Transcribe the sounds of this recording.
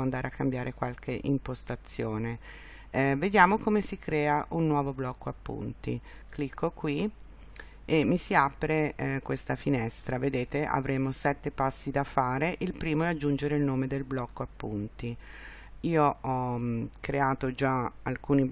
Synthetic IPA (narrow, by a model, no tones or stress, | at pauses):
and̪aːɾeakːambjaːɾekwalk̟eʔimpost̪at̪sːjoːne | ved̪jaːmokomesikɾɛːaʔunːwɔːvoblɔkʰːoapːṵnt̪ḭ | klikʰːokwi | emːisiapɾekwest̪afinɛst̪ɾaved̪eːt̪eʔa̰vɾeːmosɛt̪ːepasːid̪afaːɾeʔilpɾiːmoɛad͡ʒːund͡ʒeɾeilnoːmed̪elblɔkːoapːunt̪i | iːoɔkɾeaːt̪od͡ʒaalkuːni